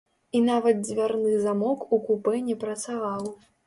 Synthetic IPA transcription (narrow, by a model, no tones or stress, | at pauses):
inavɐd̪̚zʲvʲarnɨzamɔkukupɛnʲɛpɾɐt̪savaw